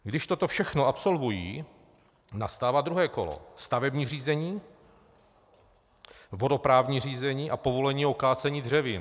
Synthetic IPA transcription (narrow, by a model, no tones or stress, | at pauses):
ɡdɪʃt̪ot̪ofʃɛxnoʔapso̞lvujḭː | nast̪aːvad̪ɾuɦɛːko̞̰lo̰st̪avɛbɲiːr̝iːzɛɲiː | vo̞do̞pɾaːvɲiːr̝iːzɛɲiːʔapovo̞lɛɲiːo̞kaːt͡sɛɲiːdr̝ɛvɪn